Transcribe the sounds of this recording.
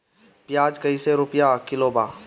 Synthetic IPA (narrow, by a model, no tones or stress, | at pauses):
pjaːd͡ʒkəiseɾʊpjakɪloːbaː